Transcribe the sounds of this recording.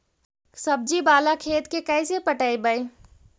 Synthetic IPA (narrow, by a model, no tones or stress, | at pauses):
səb̚d͡ʒibaːlakʰeːt̪kekəɪsepəʈəibəi